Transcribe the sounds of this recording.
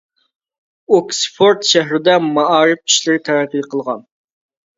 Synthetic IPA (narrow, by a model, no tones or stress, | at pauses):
oksfʰoɾt̪ʃæɦɾɪd̪ɛmɑʔɑːɾɪfi̥ʃlɪɾɪt̪ʰæɾæqːilqʰəlˠʁɑn